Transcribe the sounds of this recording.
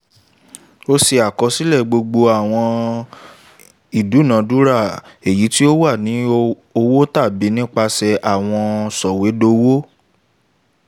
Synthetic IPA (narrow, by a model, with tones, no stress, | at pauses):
o˧si˧a˨kɔ˧si˦lɛ˦˨ɡ͡bo˧ɡ͡bo˧a˨w̃ɔ̃˧ | i˨du˨˦nã˨˦du˦ɾa˦˨e˨ji˨˦ti˦o˦wa˦˨nĩ˨˦ | o˧wo˦ta˦˨bi˨˦nĩ˦k͡pa˧sɛ˧ʔa˦˨w̃ɔ̃˧sɔ˨we˨˦do˧wo˦